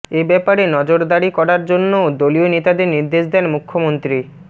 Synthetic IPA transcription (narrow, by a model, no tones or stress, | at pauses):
ebɛpaɾenɔd͡ʑoɾd̪aɽikɔɾaɾd͡ʑonːood̪olionet̪ad̪eɾniɾd̪eʃd̪ɛnmukʰːomont̪ɾi